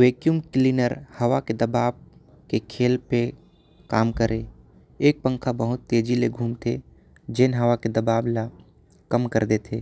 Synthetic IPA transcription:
ʋeːkjumklinəɾhəʋaked̪əbaːb | kekʰeːlpe | kaːmkəɾʔe | eːk̚pə̃ŋkʰabəɦʊt̪ːeːd͡ʒileɡʱuːmt̪ʰe | d͡ʒenɦəʋaked̪əbaːbla | kəmkəɾd̪et̪ʰeː

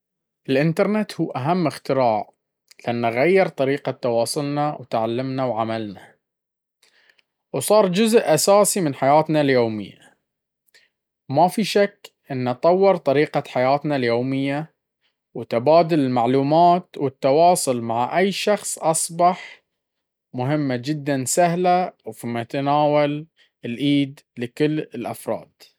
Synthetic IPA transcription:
ʔɪlʔɪnt̪ɑɾˤnet̪huːʔaɦamːɪxt̪ɪɾaːʕ | lɪʔanːaɣajːɪɾt̪ˤɑɾiːqat̪ːɑwɑːsˤʊlnawt̪ʕalːamnawʕamalna | wsˤɑːɾˤd͡ʒʊzʔʔasaːsimɪnħajaːt̪naljoːmɪ̰jːa̰ | mafiʃakːʔɪnːɑt̪ˤɑwːɪɾt̪ˤɑɾiːqaħajaːt̪naljoːmɪjːa | wt̪ɪbaːd̪ʊlɪlmaʕluːmaːt̪wɪt̪ːɑwɑːsˤʊlmaʕaʔajːʃɑxsˤʔɑsˤbɑħ | mʊɦɪmːad͡ʒɪd̪ːansahlawfimʊt̪anaːwal | ɪlʔiːd̪ | lɪkɪlːɪlʔafɾˤɑ̰ːd̪̥

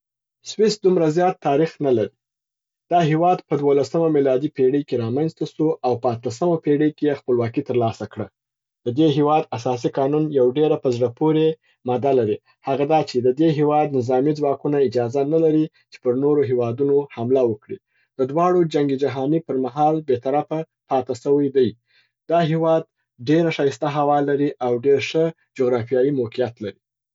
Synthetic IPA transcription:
swɪsd̪umɾazjɑt̪ːɑɾixnalaɾi | d̪̥ɑɦewɑd̪pəd̪wolasəmamilɑd̪ipeɽəkeɾɑmanzt̪asuawpəat̪əs̬əmapeɽəkejexpəlwɑkit̪əɾlɑsakɽa | d̪̥əd̪eɦewɑd̪asɑs̬iqɑnunjawɖeɾapəzɽəpoɾe | mɑd̪alaɾi | haɣad̪ɑt͡ʃed̪əd̪eɦewɑd̪nɪzɑmid͡zwɑkunaɪd͡ʒɑzanalaɾi | t͡ʃe̥pəɾnoɾoɦewɑd̪unohamlawəkɽḭ | d̪̥əd̪wɑɽod͡ʒaŋɡid͡ʒaɦɑnipəɾmaɦɑlbet̪aɾafa | pɑt̪asəwəjd̪əj | d̪ɑɦewɑd̪̚ | ɖeɾaʃɑjɪst̪aɦawɑlaɾiʔawɖeɾʂə | d͡ʒoɣɾɑfijɑjimokijat̪laɾi

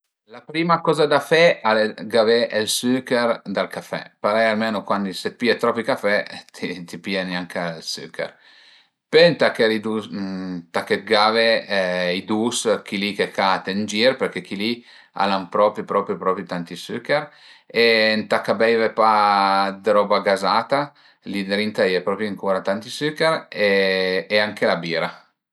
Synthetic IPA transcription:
lapɾiːmakɔːzad̪afɛaleɡavɛʔelsykeɾd̪alkafɛ̰paɾɛjalmenokwand̪iset̪̚piet̪ɾɔpikafɛt̪ʰit̪ipianjaŋkalsy̰kɛ̰ɾ | pent̪akeɾid̪u | t̪akːet̪̚ɡaveid̪uskilikekʰat̪end͡ʒiɾpeɾkek̟ili | a̰lampɾɔːpɾipɾɔːpɾjupɾɔːpɾjit̪ant̪isykɛɾ | ent̪akːabɛjvepad̪ɾɔːbaɡazaːt̪a | lid̪ɾint̪ajɛpɾɔpɾjiaŋkuːɾat̪ant̪isykeɾeː | aŋkelabiːɾa

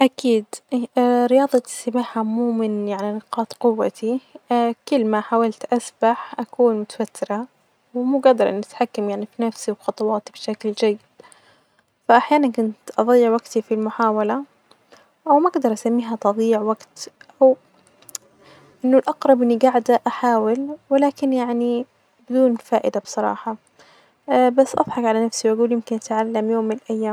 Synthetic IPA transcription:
ʔakiːd̪ | ɾɪjɑːðˤɑsamaːħamuːmɪnjaʕninɪqɑːt̪qʊwːa̰t̪ʰi | kʊlːmaħaːwalt̪ʔasbaħʔakuːnmʊt̪ḁwat̪ːɪɾa | wmuːɡad̪ɑɾˤʔɪ̰nːʔat̪ħakːamjaʕnifinafsiwxɑt̪ˤɑwɑːt̪ibʃakld͡ʒajːɪd̪ | faʔaħjaːnankʊnt̪ʔɑðˤɑjːɪʕwaɡt̪ifilmʊħaːwala | ʔawmaʔaɡd̪ɑɾˤʔasamːiːɦat̪ɑðˤiːɪʕwaɡt̪ʔaw | ʔɪnːʊlʔɑqɾˤɑbʔɪnːiɡaʕd̪aʔaħaːwɪlwɪlaːkɪnjaʕni | bɪd̪uːnfaːʔɪd̪absˤɑɾˤɑ̰ːħɑ | basːʔɑ̰ðˤħɑkʕalanafsiwʔaɡuːljɪmkɪnʔat̪ʕalːamjoːmːɪnɪlʔajːaːm

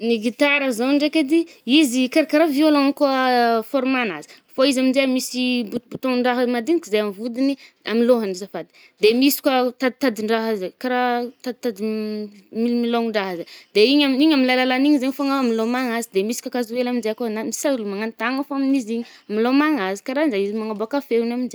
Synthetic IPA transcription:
niɡit̪aɾəzaɳɖ͡ʐeked̪iizikaɾakaɾavialonkuəfoɾmana̰zi̥ | foizamizeamisibut̪but̪oŋɳɖ͡ʐaɦəmad̪inikizajamivud̪iniamiloɦanizafad̪i̥ | d̪emisi̥kwat̪ad̪̚t̪ad̪iɳɖ͡ʐaɦəzekaɾat̪ad̪t̪ad̪i | milimiloŋiɳɖ͡ʐaɦəzad̪eiɲaiɲaminlajlalaniɲizeɲfaŋaamilomaŋazid̪emisi̥kʷakazuwelaminzeakonamisaulumaŋant̪aŋəfoaminiziɲiamilomaŋazi̥kaɾand͡ʒaizimaŋaboakafeunamind͡ʒe

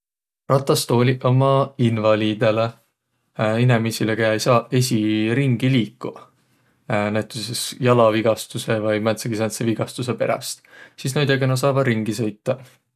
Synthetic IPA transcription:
rɑt̪ːˑɑst̪o̞ːlʲiʔomɑinvɑliːd̪̥e̞le | inemisilekejɑejsɑːe̞sʲiɾiŋɡ̥iliːkːu | næjt̪ːˑusesjɑlɑviɡ̥ɑst̪use̞vɤjmænt̪seɡ̥isɑnt̪seviɡ̥ɑst̪us̬e̞pe̞ɾɑ̰st̪sis̬nɑjd̪ekenɑs̬ɑːvɑɾiŋɡ̥isɤ̞jt̪ːɑ

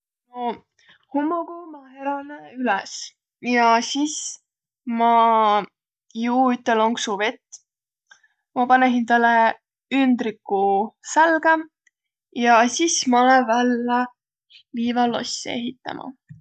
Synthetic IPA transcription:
no | humːoɡ̥omɑheɾɑneylɛs | jɑsiːs | mɑ | juːyt̪ːelo̞ŋksuvet̪ː | mɑpɑnesint̪ɑlːe | ynd̪ɾikːusælɡ̥ɑ | jɑsismɑolevælːɑ | liːvɑlːo̰sːḛḛɦit̪ːˑɑ̰mʔɑ̰

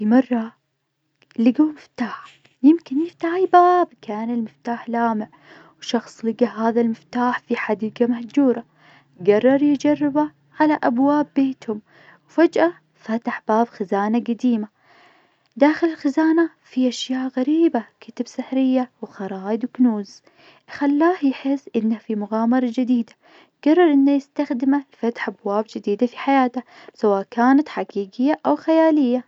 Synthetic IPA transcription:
fimɑrˤːɑ | lɪɡawmɪft̪aːħ | jɪmkɪnjɪft̪aːħibaːbkaːnɪlmɪft̪aːħlaːmɪʕ | wʃɑxsˤlɪɡaɦaːðalmɪft̪aːħfiħad̪iːɡamahd͡ʒuːɾˤɑ | ɡɑrˤːɑɾˤjd͡ʒɑrˤːɪba | ʕalaʔabwaːbːeːt̪hʊm | wfad͡ʒʔa | fat̪aħb̥aːbxazaːnaɡad̪iːma | d̪aːxɪlɪlxɪzaːna | fiʔaʃjaːʔɣaɾiːbakɪt̪ɪbsɪħɾɪjːawxɑɾˤɑːʔɪd̪wɪknuːz | xalːaːhjħɪsːʔɪnːahafimʊɣaːmɑɾˤɑd͡ʒɪd̪iːd̪a | ɡɑrˤːɑɾˤʔɪnːajɪst̪axd̪ɪmalfat̪ħʔabwaːbd͡ʒɪd̪iːd̪afiħajaːt̪asawaːʔkaːnat̪ħaɡiːɡɪjːaʔawxajaːlɪjːa

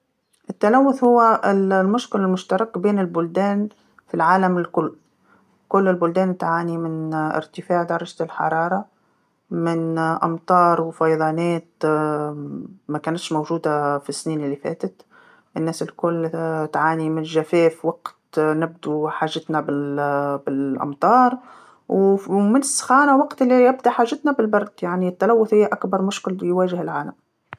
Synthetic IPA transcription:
ʔɪt̪ːalæwːʊθhʊwːæɪllmʊʃkɪlɪlmʊʃt̪ɑɾˤɑkbeːnɪlbʊld̪æːn | filʕaːlamɪlkʊlː | kʊlːɪlbʊld̪æːnt̪ʕaːnimɪnɪ̰ɾt̪ɪfaːʕd̪ɑɾˤɑʒlħɑ̰ɾˤɑːɾˤɑ | mɪnʔɑ̰mt̪ˤɑːɾˤwfɑjd̪ˤɑːnæːt̪ | mækæːnɪt̪ʃmowʒuːd̪afisːniːnɪlːifæ̰ːt̪ət̪ | ʔɪnːæːsɪlkʊlːt̪ʕaːnimɪnʒæfɛːfwɑqt̪nɪb̚d̪uħaːʒːɪt̪nabɪbɪlʔɑ̰mt̪ˤɑːɾˤ | wmɪnɪsːxaːnawɑqt̪ɪlːiʔɪbd̪aħaːʒːɪt̪nabɪlbɑɾˤd̪̥jaʕnit̪ːalæwːʊθhɪjːæʔækbɑɾˤmʊʃkɪljwæːʒɪhɪlʕaːlam

